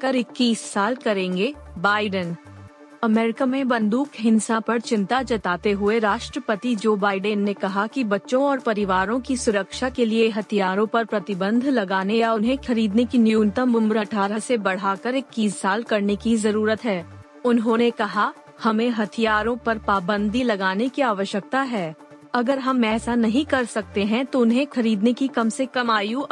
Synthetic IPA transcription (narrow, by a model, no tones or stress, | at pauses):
kəɾɪkːiːsːaːlkɐɾẽːŋɡeːbaːɪɖən | ɐmɛːɾɪkamẽbɐ̃nd̪uːkɦɪ̃nsãpɐɾt͡ʃɪ̃nt̪at͡ʃɐt̪aːt̪eɦʊeɾaːʃʈɾəpət̪id͡ʒoːbaːɪɖənːekɐɦakibɐtːʃõɔːɾpɐɾɪʋaːɾõkisʊɾəkʃakelieɦɐt̪ʰijaːɾõpɐɾpɾɐt̪ɪbə̃nd̪ʱlɐɡaːnejaʊnɦẽxɐɾiːd̪nekinɪjuːnt̪əmbʊmɾəʈʰaːɾɦəsebɐɽ̤aːkəɾɪkːiːsːaːlkɐɾnekizɐɾuːɾət̪ɦɛː | ʊnɦõnekɐɦa | hɐmẽɦɐt̪ʰijaːɾõpɐɾpaːbə̃nd̪ʱilɐɡaːnekiaːʋəʃjək̚t̪aɦɛː | ɐɡəɾɦɐmːɛːsanɐɦĩkɐɾsɐk̚t̪eɦɛ̃t̪oʊnɦẽkʰɐɾiːd̪nekikɐmsekɐmaːjũ